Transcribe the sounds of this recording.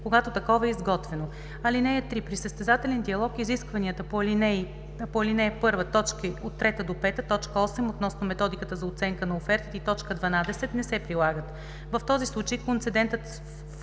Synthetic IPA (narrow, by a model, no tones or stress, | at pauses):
koɡat̪ot̪ɐkɔvɐɛizɡɔt̪vɛno | ɐlinɛjət̪ɾipɾisəst̪ɛzat̪ɛlɛnd̪iɐlˠɔkiziskvɐniət̪əpoɐlinɛ | poɐlinɛpɤɾvət̪ɔt͡ʃkəot̪ːɾɛt̪əd̪opɛt̪ət̪ɔt͡ʃkəɔsɛmot̪nɔsnomɛt̪ɔd̪ikət̪əzɐot̪sɛŋkənɐofɛɾt̪it̪it̪ɔt͡ʃkəd̪vɐnad̪ɛsɛt̪nɛsɛpɾilˠaɡət̪ | vɐft̪ɔzislˠut͡ʃəjkont̪sɛd̪ɛnt̪ət̪